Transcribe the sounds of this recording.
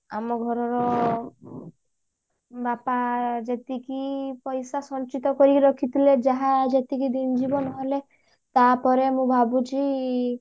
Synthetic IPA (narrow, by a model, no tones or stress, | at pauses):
a̰mɔɡʱɔɾɔɾɔ | bapad͡ʒet̪ikipɔjsasɔnt͡ʃit̪ɔkɔɾiɾɔkʰit̪ʰiled͡ʒaɦad͡ʒet̪ikid̪ind͡ʒibɔnɔɦle | t̪apɔɾemũbʱabut͡ʃi